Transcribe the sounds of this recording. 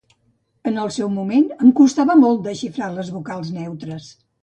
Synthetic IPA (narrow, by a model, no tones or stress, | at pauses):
ənəlˠsɛwmumenəmkust̪aβəmɔlˠt̪̚d̪əʃifɾaləzβukalˠznɛwt̪ɾəs